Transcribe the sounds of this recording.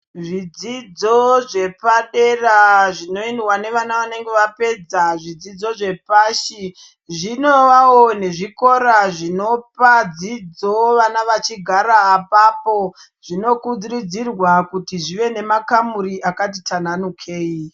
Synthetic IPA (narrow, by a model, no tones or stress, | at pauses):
ʐid͡zid͡zo̞ʐe̞paɗe̞raʐino̞inwane̞ʋanaʋane̞ŋɡe̞ʋape̞d͡zaʐid͡zid͡zo̞ʐe̞paːʃi | ʐino̞ʋawone̞ʐiko̞ɾaʐino̞pad͡zid͡zoʋanaʋat͡ʃiɡʱaɾaːpapo̞ | ʐ̥ino̞kud͡zirid͡zirwakutiʐiʋe̞ne̞makamuɾiʔakat̬itʰananukʰe̞ːi